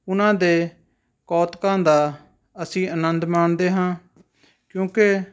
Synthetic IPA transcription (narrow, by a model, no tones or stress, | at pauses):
ʊnãːd̪eː | kɔːt̪kãːd̪aː | əsĩːʔənə̃nd̪maːnd̪eːɦãː | kjũːke